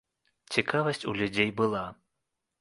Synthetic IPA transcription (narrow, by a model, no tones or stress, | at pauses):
t͡sʲikavɐsʲt͡sʲulʲud͡zʲejbɨlˠa